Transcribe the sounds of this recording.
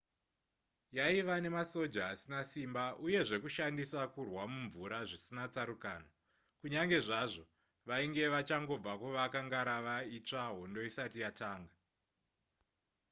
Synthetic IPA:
jaiʋane̞maso̞d͡ʒaːsinasimbaʔuje̞ʐe̞kuʃandisakurwamuɱvuɾaʐisinat͡saɾukaːna | kuɲaŋɡe̞ʐaʐo̞ | ʋaiŋɡe̞ʋat͡ʃaŋɡo̞b͡vakuʋakaŋɡaɾaʋait͡ʂaɦo̞ndo̞isatijataːŋɡa

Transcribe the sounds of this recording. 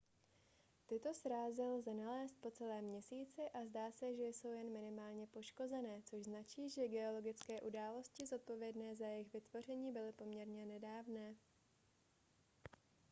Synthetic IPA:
t̪ɪt̪o̞sɾaːzɪlzɛnalɛːst̪̚po̞t͡sɛlɛːmɲɛsiːt͡sɪʔazdaːsɛʒɛjso̞wjɛnmɪnɪmaːlɲɛpo̞ʃko̞zɛnɛːt͡soʒznat͡ʃiːʒɛɡɛo̞lo̞ɡɪt͡skɛːʔudaːlo̞scɪzo̞t̪̚po̞vjɛdnɛːzajɛɪxvɪt̪vo̞r̝ɛɲiːbɪlɪpo̞mɲɛɾɲɛnɛdaːvnɛː

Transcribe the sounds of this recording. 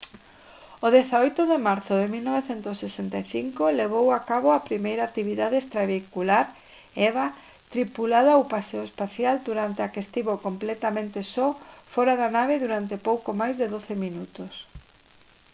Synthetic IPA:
oðeθaojt̪oðemaɾθʊðemilnɔβeθent̪osːesent̪ajθiŋkoleβ̞owakaβoapɾimejɾat̪iβiðaðeest̪ɾaβikulaɾ | ɛβa | t̪ɾipulaðoawpaseoespaθjald̪uɾant̪eakest̪iβokomplɛt̪amẽnt̪esɔfɔɾaðanaβ̞eðuɾant̪epowkomajzðɪðoθeminut̪os

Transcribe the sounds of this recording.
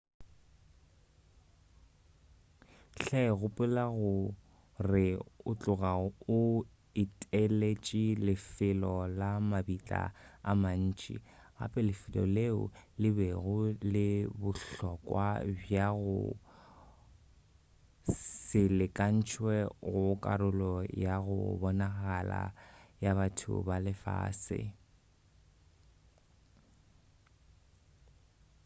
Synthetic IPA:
ɬɛɣʊpʼʊlaɣʊ | rɪʊt͡ɬʼʊɣaʊ | ɪtʼelet͡ʃʼilɪfɪlɔlamabit͡ɬʼa̰a̰man̩ːt͡ʃʼḭ | ɣa̰pʼɛlɪfɪlɔ̰leʊ̰lɪbɛɣʊlɪbʊɬɔkʼwabjaɣʊ | sɪlɪkʼan̩t͡ʃʰwɛɣʊkʼaɾʊlɔjaɣʊ̰bɔnaɣala̰jaβatʰʊ̰balɪfa̰ːsɪ̰

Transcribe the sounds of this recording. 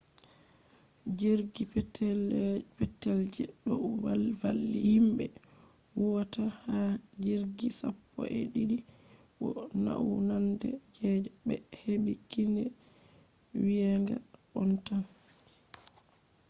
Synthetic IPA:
d͡ʒeɾɡipɛtʰːɛlpɛtːɛld͡ʒɛɗɔwavalːihimbɛ | wɔwataha | d͡ʒeɾɡisapːɔʔɛɗidi | ɓɔna̰ʔunandɛd͡ʒɛd͡ʒɛbɛheɓikːindɛ | wijaŋɡa | ʔɔnta

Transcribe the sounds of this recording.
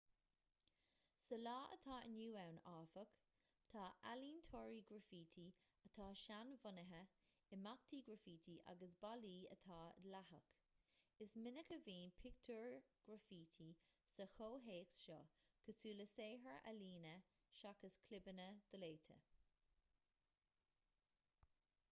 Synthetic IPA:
səlɑːʔə̰t̪ʰɑːə̰njuːawnaːfək | t̪ʰɑːʔaliːnt̪ʰɔːɹiɡɹəfiːt̪ʰi | ət̪ʰɑːʃanvʊnəɦə | ɪmak̚t̪iːɡɹəfiːt̪ʰiʔa̰ɡəsbaliːə̰t̪ʰɑ̰ːdlaɦək | ɪsmɪnəkəviːnpʰɪk̚t̪ʰuɹɡ̥ɹəfiːt̪ʰisəxoːɦeːksʃɔ̰kʰəsuːləseːɦəɹʔa̰liːnə | ʃakəskʰlɪbənəd̪̥əleːt̪ʰə̰

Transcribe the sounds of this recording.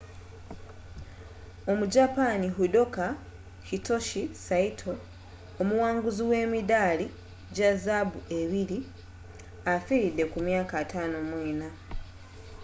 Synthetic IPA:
o̞muɟapaniɦudo̞ka | hito̞ʃisaitʰo̞ | omuwaːŋɡuziwe̞ːmidali | ɟazabuʔe̞βiɾi | afiɾide̞kumjaːkatano̞mweːna

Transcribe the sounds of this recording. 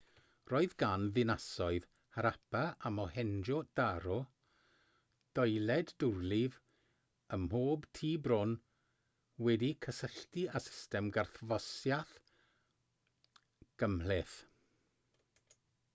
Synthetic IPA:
roːɨðɡanðɪnasɔɨð | haɾapʰaamɔhɛnd͡ʒɔd̥aɾɔ | d̥ɔjlɛdːʊrlɪv | əmhoːbtʰiːbrʊn | wɛdikʰəsəɬtiasɪ̥stɛmɡarθvɔsjaθ | ɡ̥əmlɪθ

